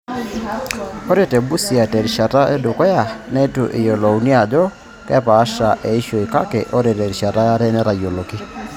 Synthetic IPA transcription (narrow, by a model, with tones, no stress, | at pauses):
ɔ˦ɾe˦˨tɛ˨bu˦si˨a˨tɛ˨ɾi˨ʃa˨ta˦ʔɛ˦do˨kɔ˦ja˨nɛ˦tu˨ʔɪ˨jɔ˨lo˨u˨ni˦a˨d͡ʒɔ˦ | kɛ˦paː˨˦ʃa˨ʔe˨i˦ʃo˨i˨ka˦kɛ˨ʔo˦ɾe˨tɛ˨ɾi˨ʃa˨ta˦ɾɛ˦nɛ˦ɾa˨jo˨lo˨ki˦